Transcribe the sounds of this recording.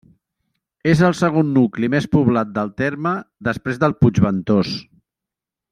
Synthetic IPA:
ezəlˠsəɣ̞onːuklimespuβlat̪̚d̪əlˠt̪eɾməd̪əspɾezðəlˠpud͡ʒβənt̪os

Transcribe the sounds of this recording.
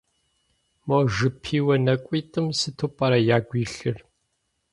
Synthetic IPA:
moːʒɨpʰiːwɐnɐkʷʼiːtʼɨmsɨtʰupʼɐɾɐjaːɡʷiːɬɨr

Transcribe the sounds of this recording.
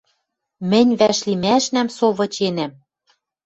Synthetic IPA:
mɘ̆nʲβæʃlimæʃnæmsoβɤ̆t͡ɕenæm

